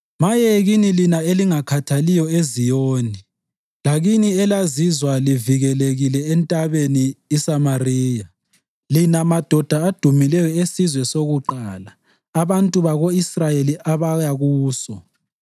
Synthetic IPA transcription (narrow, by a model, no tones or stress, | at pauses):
majeɣinilinaeliŋakʰatʰalijɔezijoːni | laɣiniɛlazizwaliviɣɛleɣilɛɛntʼaβeniːsamariːja | linamad̥ʱɔd̥ʱaːd̥ʱumilɛjɔesizwɛsoɣuǃaːlaː | βantʼuβaɣoisrajeliʔaβajaɣuːsɔ̰